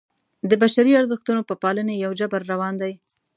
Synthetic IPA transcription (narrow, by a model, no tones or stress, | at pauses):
d̪əbaʃaɾiaɾzəxt̪unopəpɑlənejawd͡ʒabaɾːawɑnd̪aj